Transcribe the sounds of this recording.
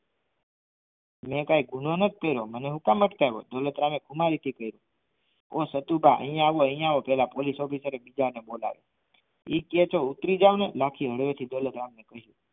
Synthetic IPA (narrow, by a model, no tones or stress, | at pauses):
mẽkajɡʱunonət̪̚kəjɾoməneɦukaməʈ̪k̪ajʋo̰d̪olət̪ɾamekʰumaɾit̪ʰikəjɾo | osət̪ubʱaʔə̰ĩjãaʋoəɦijãaʋopɛɦlapolisɔpisəɾebid͡ʒaɾnebola̰ʋḛ | iket͡ʃout̪ɾid͡ʒaʋnelakʰiɦəɽʋet̪ʰid̪olət̪ɾamnekəɦjũ